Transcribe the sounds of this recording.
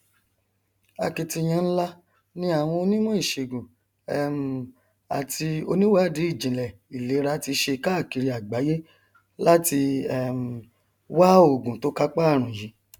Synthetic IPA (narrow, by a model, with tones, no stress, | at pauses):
a˧ki˨˧ti˧j̃ã˧n̩˦la˦ | nĩ˧a˨w̃ɔ̃˧o˧nĩ˦mɔ̃˦i˦˨ʃe˨ɡũ˨ | ɛ˦˨m̩˨ | a̰˨tʰi˧o̰˧nĩ˦wa˦˨di˨˦i˦˨d͡ʒĩ˨lɛ˨ | i˨le˨˦ɾa˧˦ti˧ʃe˧ka˦˨ki˧ɾi˧˦a˨ɡ͡ba˨˦je˦ | la˦ti˧ɛ˦m̩˨ | wa˦o˨ɡũ˨to˦ka˦k͡pa˦˨ɾ̃ũ˨ji˨˦